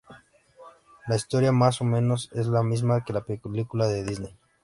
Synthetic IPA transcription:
laist̪o̞ɾjamas̬o̞mẽ̞no̞se̞zlamizmake̞lapekelikulaðeðizne̞j

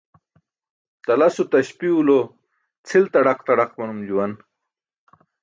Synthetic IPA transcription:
t̪ɐlɐsut̪ɐɕpiulo | t͡sʰilt̪ɐɽɐqt̪ɐɽaqmɐnumd͡ʑuwɐn

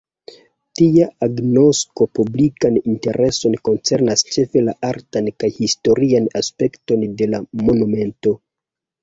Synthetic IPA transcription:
tiaaɡno̞sko̞publikaninte̞ɾʔe̞so̞nko̞nt͡se̞ɾnast͡ʃe̞fe̞laaɾtankajhisto̞ɾianaspe̞kto̞nde̞lamo̞nume̞nto̞

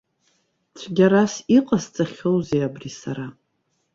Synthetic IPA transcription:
t͡sʷʰɡʲaɾasiqʼast͡sʼaχʲowzejabrisaɾa

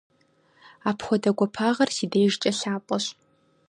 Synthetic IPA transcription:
aːpxʷɔdɐɡʷɔpʰaːʁɐrsiːdɐjɪʒt͡ʃʼɐɬaːpʼɔɕ

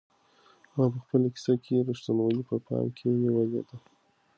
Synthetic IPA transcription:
mɑp̬əxpəlaki̥sakʰeɾuʂt̪anwajipəpʰɑ̰jmkʰejawazjɑ̰d̪a

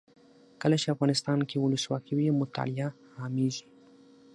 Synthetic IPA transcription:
kəlat͡ʃeafɣɑnɪst̪ɑnkewʊləswɑ̰kiwiemʊt̪ɑ̰lija | hɑmizi̥

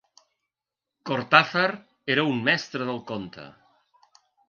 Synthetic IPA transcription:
koɾt̪afəɾ | eɾəummɛst̪ɾəðəlˠkont̪ə̰

